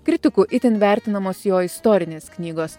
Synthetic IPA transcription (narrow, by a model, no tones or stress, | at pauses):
kɾʲɪt̪ʲɪkuʔɪt̪ʲɪnʋʲæˑɾʲt̪ʲɪnɐmoːsjoːɪst̪oːɾʲɪnʲeːsknʲiːɡoːs